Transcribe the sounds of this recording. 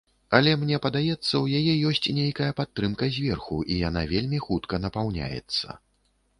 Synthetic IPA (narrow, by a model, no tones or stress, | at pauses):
ɐlʲɛmnʲɛpɐd̪ajɛt̪sːɐwjajɛjɔsʲt͡sʲnʲejkɐjɐpat̪ːɾɨmkɐzʲvʲɛrxuʔijan̪avʲelʲmʲixut̪kɐnɐpawnʲa̰jɛ̰t̪sːɐ̰